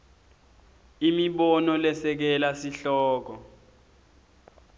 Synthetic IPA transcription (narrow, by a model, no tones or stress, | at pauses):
imiɓɔnɔlɛsɛk̬ɛlasiɬɔːk̬ɔ